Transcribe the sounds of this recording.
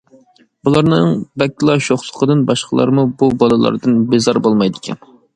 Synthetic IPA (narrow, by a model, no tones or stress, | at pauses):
bulˠɑɾnɨŋbɛkʲːilˠɑʃoχsʊ̥qʰəd̪ɨnbɑʃqʰəlˠɑ̰ɾmububɑlˠɨlˠɑ̰ɾd̪ɨnbɪzɑɾbolˠmɑjd̪ɪkʲʰɛn